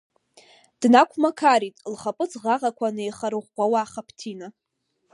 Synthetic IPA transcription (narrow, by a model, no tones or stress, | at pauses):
d̥nakʷʰmakʰaɾitʼlχapʼɨt͡sʰʼʁaʁakʷʰanejχaɾɨʁʷɡʷawaːχapʰtʰina